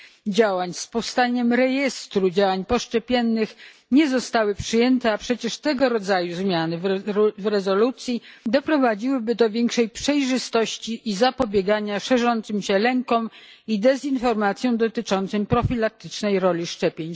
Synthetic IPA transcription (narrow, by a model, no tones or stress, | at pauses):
d͡ʑawaɲspɔfst̪aɲɛmɾɛjɛst̪ɾud͡ʑawaɲpɔʂt͡ʂɛpʲjɛnːɘx | ɲɛzɔst̪awɘpʂɘjɛnt̪ɛapʂɛt͡ɕɛʂt̪ɛɡɔɾɔd̪zajuzmʲjanɘvvɾɛzɔlut̪sʲjid̪ɔpɾɔvad͡ʑiwɘbɘd̪ɔvʲjɛŋkʂɛjpʂɛjʐɘst̪ɔɕt͡ɕiʔizapɔbʲjɛɡaɲaʂɛʐɔnt̪sɘmɕɛlɛŋkɔmid̪ɛzinfɔɾmat̪sʲjɔ̃w̃d̪ɔt̪ɘt͡ʂɔnt̪sɔmpɾɔfʲilak̚t̪ɘt͡ʂnɛjɾɔlʲiʂt͡ʂɛpʲjeɲ